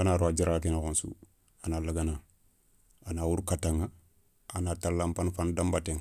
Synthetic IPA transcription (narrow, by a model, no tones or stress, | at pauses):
anaɾwad͡ʒiɾakinakonsṵ | analaɡana | anawuɾkataŋa | anatalampanfandambateŋ